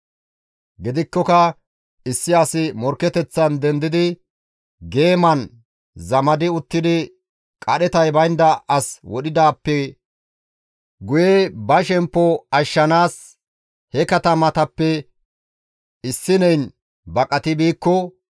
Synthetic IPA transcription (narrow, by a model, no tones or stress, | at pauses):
ɡɪd̪ɪkːɔkɐ | ɪsːɪɐsɪmɔɾkːɛt̪ɛt͡sːɐnd̪ɛnd̪ɪd̪ɪ | ɡe̞ːmɐn | zɐmɐd̪ɪʊt̪ːɪd̪ɪ | kʼɐɗɛt̪ɐjbɐjnd̪ɐɐswɔɗɪd̪aːpːɛ | ɡʊjɛbɐʃɛmpːɔɐʃːɐnaːs | hɛkɐt̪ɐmɐt̪ɐpːɛ | ɪsːɪnɛjn | bɐkʼɐt̪ɪbiːkːɔ